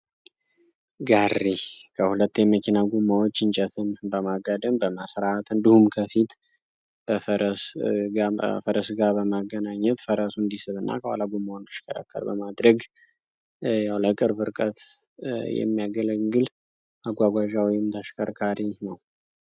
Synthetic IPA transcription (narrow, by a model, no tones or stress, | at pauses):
ɡarikʰəhulət̪ːeməkʰinaɡumːawot͡ʃːɨnt͡ʃʼɛt̪ʰɨnbəmaɡad̪əmbəmasɾat̪ɨnd̪ihumkʰəfit̪ | b̥əfəɾəsafəɾəsɡabəmaɡənaɲːɛt̪fəɾəsund̪isɨβɨnːa̰kʰəwa̰laɡumːawnd̪iʃkʰəɾa̰kʰːə̰lbəmad̪ɾəɡ | jawləkʼɨɾbɨɾkʼət̪ | jɛ̰mːijaɡələŋɡɨl | ʔaɡʷaɡʷaʒawijɪmt̪ʰəʃkʰəɾkʰaɾinəw